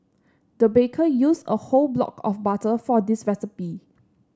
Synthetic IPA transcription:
dəbekʰəjusə̰holblɔ̰kʰɔfbatəfɔdisɹɛsipi

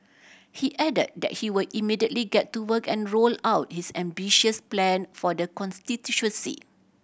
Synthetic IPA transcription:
hiʔɛdə̰d̚dɛ̰t̚hiwədimidiətliɡɛtːuwəkɛ̃nɹolawt̚hisɛ̃mbiʃəsplɛ̃nfɔdəkɔ̃nstitjuʃwə̃nsḭ

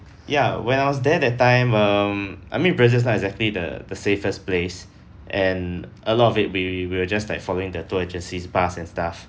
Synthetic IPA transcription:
jawɛ̃naɪwɔs̬dɛdɛt̚tːãɪ̃mʌmʔa̰jmĩnbɹɛzəs̬naɛɡzɛk̚tlidə̰dəsefəsples | ʔɛ̃n | əlɔtɔfɪt̚wiwiwəd͡ʒaslaɪkfɔloɪ̃ŋdətuɛd͡ʒə̃nsisbasɛ̃nstaf

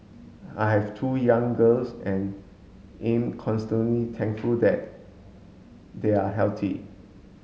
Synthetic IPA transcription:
ajɦɛvtʰujãŋɡəlsɛ̃n | ẽmkʰɔ̃nstə̃nlitʰɛ̃ŋkfuldɛt̚ | deaɦɛltʰḭ

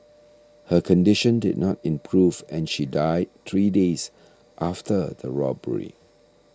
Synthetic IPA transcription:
həkʰɔ̃ndɪʃə̃ndɪ̰d̚ⁿnɔtɪ̃mpʰɹuvɛ̃nʃidaɪd̚t̪ɹides | ʔaftədəɹɔbə̰ɹḭ

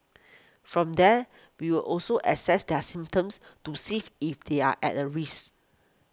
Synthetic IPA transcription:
fɹɔ̃mdɛ | wiwilʔɔlsoʔɛsɛsdɛəsĩmp̚tə̃mstusififdea̰ʔɛ̰t̚əɹis

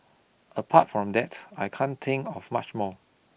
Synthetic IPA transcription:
əpʰatfɹɔ̃mdɛtajkʰãnt̪ʰɪ̃ŋkɔvmat͡ʃmɔ

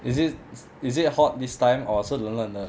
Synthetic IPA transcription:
isit̚ | is̬it̚hɔt̚distãj̃mɔsolə̃nlə̃nə

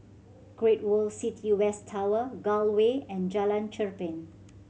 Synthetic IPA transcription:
ɡ̥ɹet̚wɔlsitʰiwɛstʰːawəɡɔlweɛ̃nd͡ʒalãnt͡ʃəɹpɪ̃n

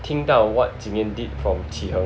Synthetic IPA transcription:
t̪ʰĩŋdaʊwɔt̚tĩŋɛ̃nditfɹɔ̃mtʰihə̃

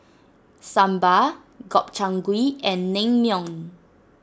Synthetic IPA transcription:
sãmba | ɡɔp̚t͡ʃãŋɡwiɛ̃nːẽŋmjɔ̃ŋ

